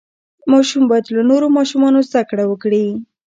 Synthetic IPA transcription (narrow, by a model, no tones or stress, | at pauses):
mɑʃumbɑjad̪lanoɾomɑʃumɑnozd̪akɽawəkɽi